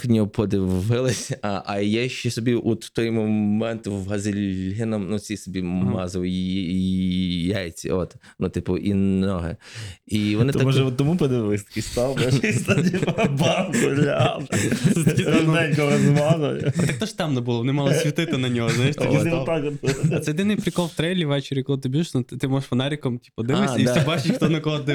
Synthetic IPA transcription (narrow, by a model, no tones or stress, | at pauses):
knʲɔpɔd̪ɪʋɪlˠɪsʲɐʔɐjɛʃɛsɔbʲiʔut̪w̥t̪ɔjmɔmɛnt̪wɦɐzɪlʲɦɪnɐmnut͡sʲisɔbʲimɑzɔʋ | jajt͡sʲḭɔt̪ | nut̪ɪpʊʔḭnɔɦɛ̰iʋɔnɪt̪t̪mɔʒɛɔt̪ːɔmupɔd̪ɪʋɪlˠɪsʲt̪ɐ̥kʲɪsʲt̪ɑɪst̪ɐdʲiʋɐbɑfkʊdlʲɐ | sɛt̪ɐkʲiɐnɔɛlʲkɔɾɐzɪmɑzˠɔjɐt̪ɛk̚t̪ɔʃt̪ɑmnɐbʊlˠɔʋɔnɪmɑlˠɔsʲʋʲit̪ɪt̪ɪnɐnʲɔɦɔznajɪʃt̪ʲisʲiʋɔt̪ːak̪ɐt̪ɛjɔd̪ɪnɪjpɾʲɪkɔlˠwt̪ɾɛlʲiʋɛt͡ʃɪɾʲjʲɪkɔlˠɪt̪ɪbʲuʒɪʃnut̪ɪt̪ɪmɔʒʂfɐnɑɾʲikɔmtʲi̥pɔd̪ɪmɪsisɛbɑt͡ʃɪʃʲxt̪ɔnɐkɔɦɔd̪ɪ